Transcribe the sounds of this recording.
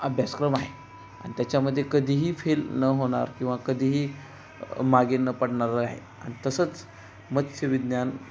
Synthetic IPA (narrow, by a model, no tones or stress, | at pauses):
əbʱjaskɾəmaɦe | a̰ɽ̃it̪jat͡ɕaməd̪ʱːjekəd̪ʱiːɦiːfelnəɦoɽ̃a̰ɾkĩw̃ʋakəd̪ʱiːɦiː | maɡenːəpəɽɳaɾəaɦḛ | a̰ɽ̃it̪əsət͡s | mət̪ɕəʋid̪jan